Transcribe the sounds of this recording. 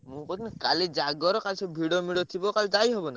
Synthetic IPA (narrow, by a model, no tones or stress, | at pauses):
mũkɔt̪ʰinakaled͡ʒaɡɔɾɔkat͡ʃʰɔbʱiɽomiɽot̪ʰibɔkald̪ajɦɔbɔna